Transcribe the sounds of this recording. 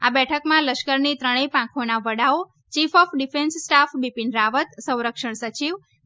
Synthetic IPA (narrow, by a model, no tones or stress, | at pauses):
abɛʈʰəkmãləʃkəɾnit̪ɾəɽ̃epãkʰonaʋəɽao | t͡ʃifɔfʰɖifʰensːʈafʰbipinɾaʋət̪sə̃w̃ɾəkʂəɳsət͡ʃiʋ